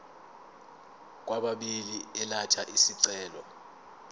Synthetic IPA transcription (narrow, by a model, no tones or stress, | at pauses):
k̬ʼwaɓaɓiliɛlatʰaʔisiǀɛːlɔ